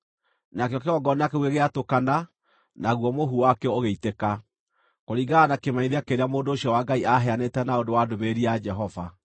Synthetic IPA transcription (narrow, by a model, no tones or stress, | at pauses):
nakjɔkeɔɡɔnakeweɣeatokana | naɣwɔmoɦuwakɛɔoɣeiteka | koɾiːɡaːnakemaiðakeɾeamoːndoːɕiɔwaːɡaiʔaɦɛanetɛnaodowadomeɾiad͡ʒɛɦɔva̰